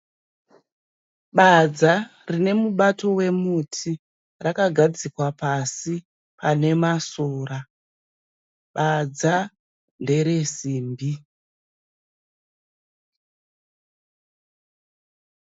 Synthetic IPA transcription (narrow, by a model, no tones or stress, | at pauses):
ɓad͡zarine̞muɓato̞we̞mutʰi | rakaɡʱad͡zikwapasi | pane̞masuoːra | ɓad͡za | nde̞ɾe̞siːmbi